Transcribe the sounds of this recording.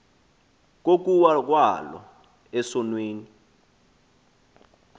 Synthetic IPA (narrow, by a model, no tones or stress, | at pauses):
k̬ok̬uwak̬walɔ̰ | ɛsɔnweːni